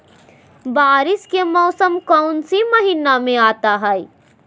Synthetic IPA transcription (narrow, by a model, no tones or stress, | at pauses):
baːɾɪskemɔːsəmkɔʊnsiməɦiːnamẽaːt̪aɦɛi